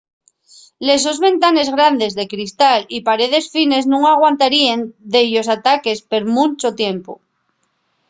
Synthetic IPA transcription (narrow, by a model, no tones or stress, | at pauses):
le̞s̬o̞zβẽ̞nt̪ane̞zɣɾand̪e̞zðekɾist̪alipaɾe̞ð̞e̞sfine̞znũŋaɣ̞want̪aɾiend̪e̞ʝo̞sat̪ake̞spe̞ɾmũnt͡ʃo̞t̪je̞mpo̰